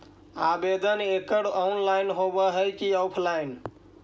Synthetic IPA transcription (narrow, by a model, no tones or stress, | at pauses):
abed̪ənekəɽɔnlaɪnɦobəɦəjkiɔwpʰlain